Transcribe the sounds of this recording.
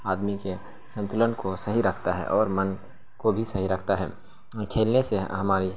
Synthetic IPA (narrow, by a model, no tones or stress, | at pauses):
aːd̪mike | sə̃nt̪ʊlənkosɐɦiɾɐkʰt̪aɦɛ̰ʔɔːɾmən | kobʱisɐɦiɾɐkʰt̪aɦɛ̰ː | kʰeːlneseɦɐmaːɾi